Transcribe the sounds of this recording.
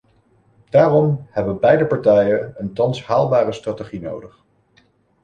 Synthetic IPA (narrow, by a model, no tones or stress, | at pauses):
d̥aːrɔmhɛbənbɛjdəpɑɹtɛjənəntɑnshaːlˠbaːrəstrateχino̰wdəχ